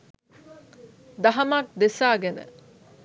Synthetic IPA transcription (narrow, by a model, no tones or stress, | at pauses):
d̪ɐɦɐmak̚d̪esaːɡenə̰